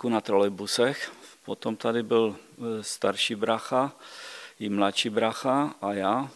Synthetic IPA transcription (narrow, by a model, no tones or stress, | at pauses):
kunat̪ɾolɛbusɛxpot̪omt̪adɪbɪlst̪aɾʃibɾaxa | ɪmlat̪ʃibɾaxaʔajaː